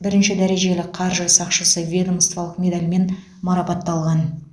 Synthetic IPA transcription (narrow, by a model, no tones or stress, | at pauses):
bɪɾɪnʃɪd̪æɾe̞ʒe̞lɪqʰɑɾʒsɑqʃəsəvʲed̪omst̪vɑlˠəqmʲe̞d̪alʲme̞n | mɑɾɑpɑt̪ːɑlˠʁɑn